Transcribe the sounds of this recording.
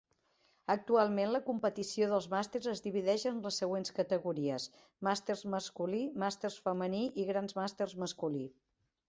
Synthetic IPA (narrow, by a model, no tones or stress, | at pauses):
ək̚t̪ualˠmenləkumpət̪isioðəlˠzmast̪erzəzðiβ̞iðɛʒənləsːəɣ̞wenskət̪əɣuɾiəs | mast̪erzməskulimast̪ersfəməniʔiɣɾanzmast̪erzməskuli